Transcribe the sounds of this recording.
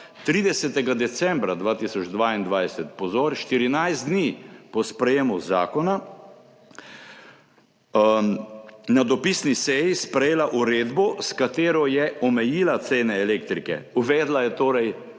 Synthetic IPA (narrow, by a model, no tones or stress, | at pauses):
t̪ɾiːd̪ɛsɛt̪ɛɡad̪ɛt̪sɛ̃mbɾad̪ʋaːt̪isɔd͡ʒd̪ʋaːind̪ʋajsɛt̪pɔzoːɾʃt̪iɾinajzd̪niːpɔspɾɛjeːmuzaːkɔna | nad̪ɔpiːsnisɛjispɾɛjeːlaʔuɾeːd̪bɔskat̪eːɾɔjɛɔmɛjiːlat̪seːnɛːleːkt̪ɾikɛ̰uʋɛːd̪lajɛt̪oːɾɛj